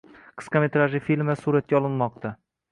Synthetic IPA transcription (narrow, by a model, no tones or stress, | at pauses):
qʰɨ̥sqɑmet̪ɾaʒɪfilmasuɾat̪̚kʲaɒlˠɪnmɒq̚t̪ʰa